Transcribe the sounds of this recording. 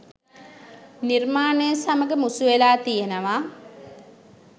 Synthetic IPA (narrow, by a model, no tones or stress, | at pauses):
nirmaːnəjəsaməɡəmusuʋelaːt̪ijenəʋa